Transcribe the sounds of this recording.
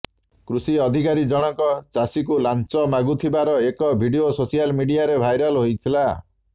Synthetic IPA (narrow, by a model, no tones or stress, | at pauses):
kɾusiɔd̪ʱikaɾid͡ʒɔɽ̃ɔŋkɔt͡ʃasik̬ulant͡ʃɔmaɡut̪ʰibaɾɔekɔbʱiɖiososijalmiɖijaɾebʱajɾɔlɦojt̪ʰila